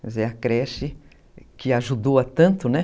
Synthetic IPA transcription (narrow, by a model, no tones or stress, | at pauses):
zeɐkɾɛʃɪ | kɪaʒud̪owɐt̪ɐ̃nt̪ʊnɛ